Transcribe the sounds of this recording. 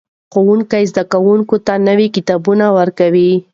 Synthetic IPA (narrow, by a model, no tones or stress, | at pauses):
xowuŋkajzd̪akawuŋkot̪anəwikɪt̪ɑbunawəɾkawi